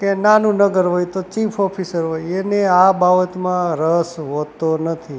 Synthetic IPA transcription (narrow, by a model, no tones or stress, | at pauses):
kenanũnəɡəɾʋojt̪ot͡ʃifʰɔpʰisəɾʋojeneababət̪mãɾəsʋot̪onət̪ʰi